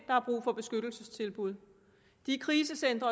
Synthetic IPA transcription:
d̥ɑ̈hɑ̈b̥ʁṵːfɒ̽b̥e̝sɡ̥ød̥l̩səst͡sʰe̝lb̥uð̞̰ˠ | d̥ikʰʁiːsəsend̥ʁɐ

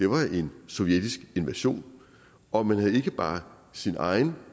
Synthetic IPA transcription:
d̥e̝ʋɑ̈ʔe̝nsɒ̽ʊjed̥isɡ̥e̝nʋæɕo̝̰ːn | ɒ̽mænɦhæð̩ˠe̝ɡ̥əb̥ɑ̈ː | sinɑ̰̈ɪn̩

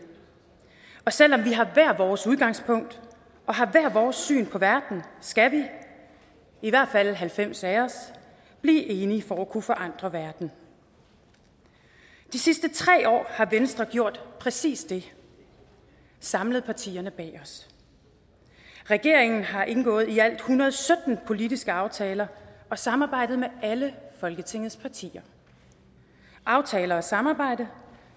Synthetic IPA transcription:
ɒ̽sel̰ɒ̽mʋiɦɑ̈ʋæɐ̰ʋɒːsuðˠɡ̥ɑ̈ŋ̰spʰɔ̽ŋ̰d̥ | ʔɒ̽ɦɑ̈ʋæɐ̰ʋɒːsːy̰ːnpʰɒ̽ʋæɐd̥n̩sɡ̥æʋi | iʋæɐ̰d̥fæl̰ɦælfem̰sæɒs | b̥lḭːʔe̝ːnifɒ̽ækʰufɒ̽ʔɑ̈n̰d̥ʁɐʋæɐd̥n̩ | d̥isisd̥ət͡sʰʁɛ̰ːɒ̰ːhɑ̈ʋensd̥ʁɐɡ̥jo̝ɐ̰d̥pʰʁɛsḭːsd̥e̝ | sɑ̈mləð̞̩ˠpʰɑ̈t͡sʰḭːɐnəb̥ɛ̰ːɒ̽s | ʁɛɡ̥e̝ɐ̰eŋn̩ɦɑ̈ʔe̝nɡ̥ɔ̰̽ːð̩ˠiæl̰d̥hunʁɐð̞̩ˠsød̥n̩pʰo̝lidisɡ̥əɑ̈ʊt͡sʰɛːlɐɒ̽sɑ̈mɑ̈ːb̥ɑ̈ɪ̰d̥ð̩ˠmeʔæləfɒ̽lɡ̥ət͡sʰe̝ŋ̰ð̩ˠspʰɑ̈t͡sʰḭːɐ | ʔɑ̈ʊt͡sʰɛːlɐːsɑ̈mɑ̈ːb̥ɑ̈ɪ̰d̥ə

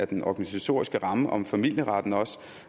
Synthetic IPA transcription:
æɐd̥enʔɒɡ̥ænisæt͡sʰo̝̰ːɐisɡ̥əʁɑ̈məʔɒ̽mfæmil̰jəʁɑ̈d̥n̩ɒ̽s

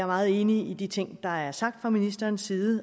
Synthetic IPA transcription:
æɐmɑ̈ːð̩ˠe̝ːniid̥it͡sʰe̝ŋ̰d̥ɑ̈æɐsɑ̈ɡ̥̚d̥fʁɑ̈minisd̥ɐːnsːiːð̩ˠə

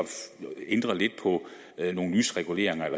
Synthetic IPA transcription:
end̥ʁɐle̝d̥̚pʰɒ̽ | no̝ːn̩lyːsʁɛɡ̥ule̝̰ɐ̰e̝ŋɐelɐ

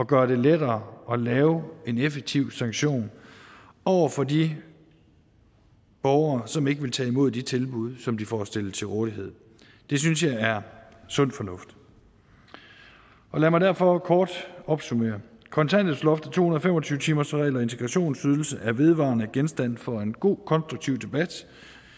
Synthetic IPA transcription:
ɒ̽ɡ̥ɶɐɾ̥e̝ledɐːɒ̽lɛːʊe̝nefeɡ̥̚t͡sʰiʊ̰sɑ̈ŋɡ̥ɕo̝̰ːn | ɒʊɐfɒ̽di | b̥ɒʊɐːsɒ̽me̝ɡ̥əʋe̝lt͡sʰɛ̰ːimo̝ð̞̰ˠd̥it͡sʰe̝lb̥uð̞̰ˠsɒ̽md̥ifɒsd̥e̝l̰ət͡sʰe̝ʁoːð̥ˠiɦe̝ð̰ˠ | d̥e̝synsjɑ̈ɪæɐ | sɔ̽n̰fɒ̽nɔ̽fd̥ | ʔɒ̽læmɑ̈d̥æɐ̰fɒ̽kʰɒːd̥ɒ̽b̥sume̝̰ːɐ | kʰɒ̽nt͡sʰæn̰d̥ð̩ˠslɒ̽fd̥ət͡sʰo̝̰hunɐð̩ˠfemɒt͡sʰyːʊət͡sʰiːmɐsʁɛ̰ɪlɒ̽e̝nt͡sʰeɡ̥ʁɑ̈ɕo̝̰ːnsyð̞ˠl̩səʔæɐʋe̝ð̞ˠʋɑ̰̈nəɡ̥ensd̥æn̰fɒ̽e̝nɡ̥o̝̰ːkʰɒ̽nsd̥ʁuɡ̥̚t͡sʰiʊd̥e̝b̥æd̥

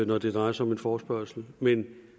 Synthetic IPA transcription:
nɒd̥e̝d̥ʁɑ̈ɪɐsɒ̽me̝nfɒːsb̥ɶɐ̰sl̩men

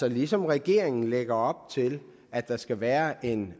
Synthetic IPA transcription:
ɒ̽lisɒ̽mʁɛɡ̥e̝ɐ̰e̝ŋn̩leɡ̥ɐɒ̽b̥̚t͡sʰe̝l | æd̥ɑ̈sɡ̥æʋæːɐʔe̝n

